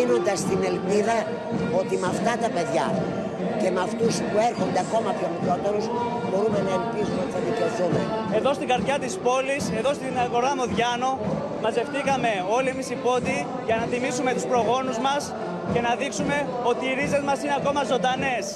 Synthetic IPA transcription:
ino̞nd̪ɐst̪ine̞lpiðɐ | ot̪imɐft̪ɐt̪ɐpe̞ðʝɐ | ce̞mɐft̪uspue̞ɾxo̞nd̪e̞ɐko̞mɐpço̞mikɾo̞t̪eɾusbo̞ɾume̞nɐelpizumeot̪it̪ɐðikeoθumḛe̞ðo̞st̪iɡɐɾðʝɐt̪ispo̞lise̞ðo̞st̪inɐɣo̞ɾɐmoðʝɐno̞ | mɐze̞ft̪iɣɐme̞o̞limisipo̞t̪i | ʝɐnɐθimisume̞t̪uspɾo̞ɣo̞nuzmɐs | ce̞nɐðiksume̞ | o̞t̪iːɾize̞zmɐsineɐko̞mɐzo̞nd̪ɐne̞s

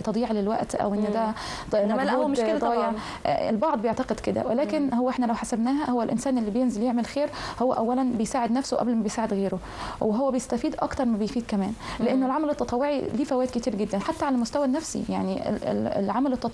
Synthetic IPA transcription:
t̪ɑd̪ˤiːʕlelwæ̰ʔt̪ʔæ̰wʔenːd̪æ | mæɡuːdd̪ˤɑːjeʕ̰ | ḛlbɑʕd̪ˤbejeʕt̪ɑqed̪ked̪æ̰welæːkenhowːʔeħnælæwħasæbnæːɦæhowːælʔɪ̰nsæːnʔelːibejenzeljeʕmelxeːɾhowːæ̰ʔæwːælænbejsaːʕed̪næfsoʔæ̰blmæbejsaːʕed̪ɣeːɾo | weɦowːæbejest̪æfiːd̪ʔɑ̰kt̪ɑɾˤmæbejfiːd̪̚kæmæːnleʔenːolʕamælet̪ːɑt̪ˤɑwːoʕḭliːfæwæːd̪kɪt̪iːɾɡɪd̪ːænħat̪ːæʕalæmoʊst̪æwænːæfsḭjaʕniḛl̰lʕamælet̪ːɑt̪ˤ

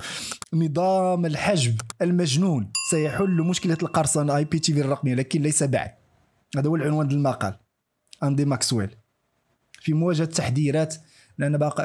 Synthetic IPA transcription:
nəd̪ˤɑməlħaʒbəlmæʒnunsæjħʊlːmʊʃkəlælqɑɾˤsˤɑnjpit̪iviɾrˤɑqmijːalækənlæjsæba̰ʕd̪̚ | hæd̪æhuwəlʕʊnwænd̪əlmɑqɑ̰l | ʔænd̪imɑkswæ̰l | fimʊwæʒhæt̪ːaħd̪iɾæt̪ | mnʔænːæbɑqɑ

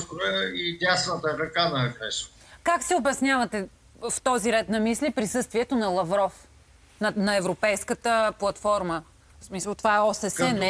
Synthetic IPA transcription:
t̪oɛid̪ʲjasnət̪əɾɐkanɐkɾɛʃə | kaksiobɛsnʲavɐt̪ɛ | ft̪ɔziɾɛt̪nɐmislipɾisɤst̪viɛt̪onɐlˠɐvɾɔf | nɐnɐɛvɾopɛjskət̪əplˠɐt̪fɔɾmə | smisəlˠt̪ovaɛɔsɛsɛn

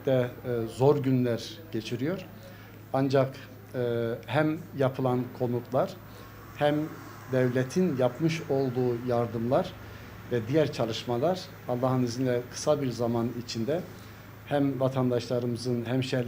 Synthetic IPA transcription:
d̪ɛzo̞ɾɟynlʲæɾɟ̥et͡ʃʰiɾijo̞ɾ̥ | and͡ʒakː | hæmjapʰɯlˠankʰo̞nut̪lˠaɾ | hæm | d̪ɛvlʲet̪ʰinjapmɯʃo̞lˠd̪uːjaɾd̪ɯmlˠaɾ | vɛd̪ijæɾt͡ʃʰalˠɯʃmalˠaɾ | ɑlˠːaːɦɯnizinlʲɛkʰɯ̥sabiɾzamanit͡ʃʰind̪ɛ | hæmvat̪ʰand̪aʃlˠaɾɯmɯzɯnɦæmʃɛ

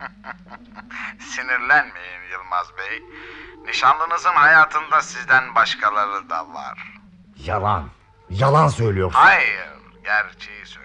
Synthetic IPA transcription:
siniɾlʲænme̞jimjɯlˠmazbejniʃanlˠɯnɯzɯnɦajaːt̪ʰɯnd̪asizd̪ænbaʃkʰalˠaɾɯd̪a̰lˠa̰ɾ̥ | jalˠa̰n | jalˠansøjlʲijoɾhajɾ | ɟæɾt͡ʃʰejisø

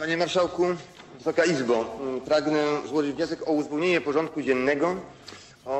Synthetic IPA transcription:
paɲɛmaɾʂawku | vɘsɔkaizbapɾaɡnɛzwɔʐɘd͡ʑvɲɔsɛkɔuzvɛwɲeɲɛpɔʐɔ̃nt̪̚kud͡ʑɛnːɛɡɔ | ɔ

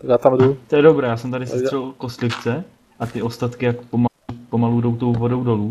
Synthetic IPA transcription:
at̪amdut̪ojɛdobɾɛːjaːsɛmt̪adɪsɛst̪r̥ɛlko̞st̪lɪft͡sɛ | ʔat̪ɪʔost̪at̪kɪjakpomaupo̞maludo̞wt̪o̞wvo̞do̞wdo̞luː

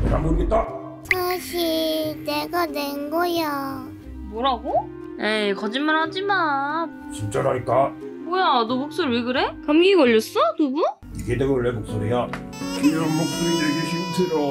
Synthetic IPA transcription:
ɾamɡoɡet͈a | sʰaɕʰineɡanenɡʌja | boɾaɡo | jekʌd͡ʑinmanhad͡ʑiman | t͡ɕint͡ɕ͈aɾɦaik͈abojadobok̚s͈oɾwiɡɯɾekamɡiɡʌʎːʌs͈ʌnubu | iɡedeɡoɭːebok̚s͈oɾija | piʌnmok̚s͈uɾideɡeɕʰintʰeɾo

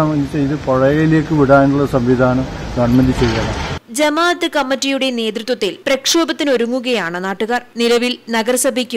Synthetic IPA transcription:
amɐnit͡ɕːɐiðɨpoɻɐjɐjile̞ːkːɨʋiɽaːjɳuɭːɐsɐmʋid̪ʱaːnɐmɡɐɳmɐnd̪it͡ɕːejːɐɳɐ̰d͡ʑɐmaːt̪ɨkɐmːitːijuɽe̞ne̞ːd̪rit̪wɐt̪ːilprɐkʂoːbɐt̪ːino̞ɾuŋːuɣɐjaːɳɨnaːʈːuɣaːrnilɐʋilnɐɣɐrsɐbʱikʲːum

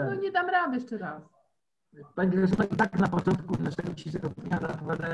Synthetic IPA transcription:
nɔɲɛd̪amɾad̪jʂt͡ʂɛɾas | paɲiɡɛsunait̪aknapɔt͡ʂɔnt̪̚kunaʂɛɡɔt͡ɕiʂɛɡɔp̪ɲʲad̪apɔvʲad̪a

